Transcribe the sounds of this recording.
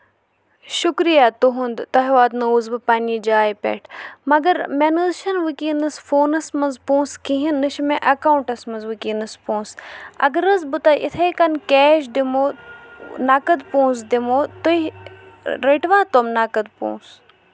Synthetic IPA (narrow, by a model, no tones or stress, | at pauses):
ʃukɾijaːt̪uɦund̪t̪ɐɦʋaːd̪nɐuːzbɨpaːniːd͡ʒaːjpʲḛʈʰmɐɡɐɾmenɨzʃɐnʋɨkiːnɨsfoːnɐsmɐnzpõːnskĩɦinːɨʃmẽʔɐkaːuɳʈɐsmɐzʋɨkiːnɨspõːnsɐ̰ɡɐɾɐzbɨt̪ɐʔḭt̪ʰɐjkɐnkeːʃ̬d̪imoː | nakɐd̪põːnsd̪imoːt̪oi | ɾeʈʋaːt̪omnakɐd̪̚põ̰ːs